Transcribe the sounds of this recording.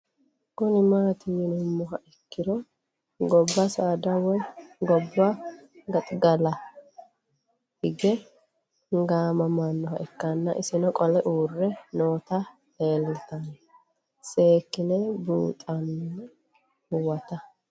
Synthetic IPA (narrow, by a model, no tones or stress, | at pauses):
kʊnɪmaːt̪ɪjɪnʊmːɔɦɐʔɛkːɪd̪ɔ | ɡɔbːɐsaːd̪ɐwɔjɡɔbːa | ɡɐt̪ʼɡɐlɐ | hɪɡɛ | ŋɡaːmɐmɐnːɔɦɐ̰ʔɛkːɐnːɐ̰ʔɪsɪnɔkʼɔlɛʔuːrːɛnoːt̪ɐ | eːlt̪ɐn | seːkːɪnɛbṵːt̪ʼɐnː | hʊwɐt̪ɐ